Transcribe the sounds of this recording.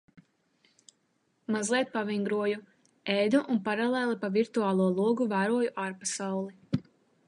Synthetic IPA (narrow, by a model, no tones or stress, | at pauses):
mazlˠiɛt̪̚paviŋɡɾuɔju | ɛjd̪uʔunpaɾalˠɛːlˠipaviɾt̪uaːlˠuɔlˠuɔɡuvæːɾuɔjuʔaːɾpasawlˠi